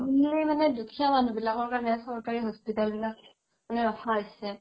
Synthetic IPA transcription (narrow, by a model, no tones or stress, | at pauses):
ulejmanɛdukʰijamanubilakɔɹkanɛasɔɹkaɹiɦospitalbilak̚ | manɛɹɔkʰaojsɛ